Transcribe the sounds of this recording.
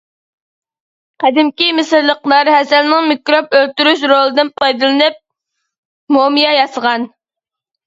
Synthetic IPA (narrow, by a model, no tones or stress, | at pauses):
qɛd̪ɪmkʲimɪsɨɾlːˠəqlˠɑɾhɛsɛlnɪŋmikɾopølt̪yɾyʃɾolˠɨd̪ɨnpʰɑjd̪ɨlˠɨnɨp̚ | momijɑjɑsəʁɑn